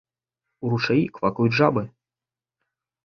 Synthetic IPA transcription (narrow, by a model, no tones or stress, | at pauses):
uɾuʂajikvakujuʐabɨ